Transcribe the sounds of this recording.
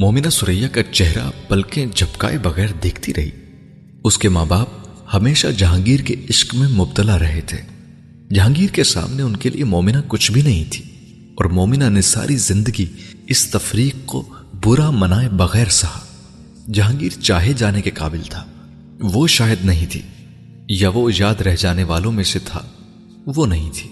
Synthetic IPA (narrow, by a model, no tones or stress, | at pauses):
mɔːmɪnasʊɾəjːakat͡ʃɛɦɾa̰b̥ɐlked͡ʒʱɐpka̰ːebɐɣɛːɾd̪eːkʰt̪iɾɐɦḭː | ʊskemaːbaːb̚hɐmeːʃa̰d͡ʒɐɦãːŋɡiːɾkeɪʃkmẽmʊbt̪əlaɾɐɦet̪ʰeː | d͡ʒɦãːŋɡiːɾkesa̰ːmneʊnkelʔḭʔemɔːmɪnakʊt͡ʃʰbʱinɐɦĩt̪ʰi̥ː | ɔːɾmɔːmɪnanesa̰ːɾizɪ̃nd̪əɡiɪst̪ɐfɾiːq̚ːo̰ | bʊɾamɐnaːebɐɣɛːɾsɐɦa | d͡ʒɦãːŋɡiːɾt͡ʃaːɦed͡ʒaːnekeqa̰ːbɪlt̪ʰaː | ʋoʃaːjəd̪nɐɦĩt̪ʰḭː | jaʋojaːd̪ɾɛɦd͡ʒaːneʋaːlõmẽset̪ʰa̰ | ʋonɐɦĩt̪ʰi̥ː